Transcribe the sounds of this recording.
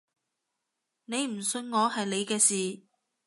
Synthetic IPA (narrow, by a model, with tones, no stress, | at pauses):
ne˨˧jm̩˨˩sɵ˧nŋɔː˨˧hɐ˨jle˨˧jkɛː˧siː˨˩